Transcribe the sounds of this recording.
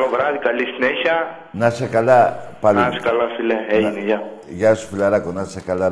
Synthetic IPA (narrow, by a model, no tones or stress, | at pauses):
lovɾɐðikɐlisineçɐ | nɐsekalapaliase̥kalɐfileeineʝɐ | ʝasu̥filɐɾakonɐsekɐla